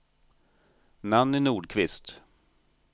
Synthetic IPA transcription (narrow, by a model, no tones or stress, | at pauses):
namnɪnuːɖkʰvɪst̪